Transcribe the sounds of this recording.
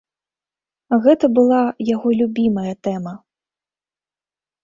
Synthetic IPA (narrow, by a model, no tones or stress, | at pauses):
ɣɛt̪ɐbɨlˠajaɣɔlʲubʲimɐjɐt̪ɛmɐ